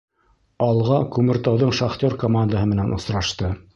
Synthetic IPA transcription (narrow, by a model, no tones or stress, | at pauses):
ɑlˠʁɑkʉmɘ̆ɾt̪ɑwðɤɴʃɑχt̪ʲoɾkomand̪əɦɤmɘ̆nænʔŏ̰sɾɑʃt̪ɤ